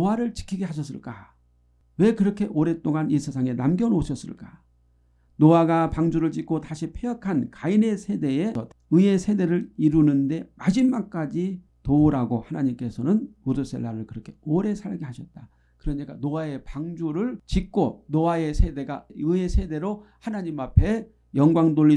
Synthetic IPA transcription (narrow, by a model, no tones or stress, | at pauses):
nowaɾɯɭt͡ɕi̥kʰiɡe̞haɕ̬ʰʌs͈ɯɭk͈a | we̞kɯɾʌkʰe̞ʔoɾe̞t͈oŋanisʰesʰaŋe̞namɡjʌnoɕʰʌs͈ɯ̰ɭk͈a | noaɡapaŋd͡ʑuɾɯɭt͡ɕik͈otaɕʰipʰeakʰankaine̞sʰe̞de̞eʌt | ɯe̞sʰe̞de̞ɾɯɾiɾunɯnde̞mad͡ʑimːak̚k͈ad͡ʑi | touɾaɡohanaɲimk͈esʰʌnɯnmodos͈e̞̰lːaɾɯɭkɯɾʌkʰe̞̥oɾe̞sʰaɭɡehaɕʰʌt̚t͈a | kɯɾʌɲik͈anoae̞paŋd͡ʑuɾɯɭt͡ɕik̚k͈onowae̞sʰe̞de̞ɡaɯe̞sʰe̞de̞ɾo | hanaɲimapʰe̞ | jʌŋɡwaŋdoʎːi